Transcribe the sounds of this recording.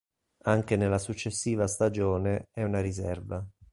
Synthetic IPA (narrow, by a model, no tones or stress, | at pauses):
aŋkenelːasut͡ʃːesːiːvast̪ad͡ʒoːneɛunaɾisɛrva